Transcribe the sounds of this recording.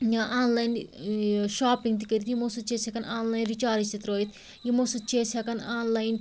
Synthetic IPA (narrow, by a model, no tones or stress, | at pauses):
jaʔaːnlaːjn | ʃaːpiŋɡt̪̬ikəɾit̪jimosut̪̚t͡ʃeːsʲakɐnaːnlaːjnɾit͡ʃaːɾit͡ʃt̪it̪ɾoːjit̪ʰ | jimosut͡ʃeːsʲakɐnaːnlaːjn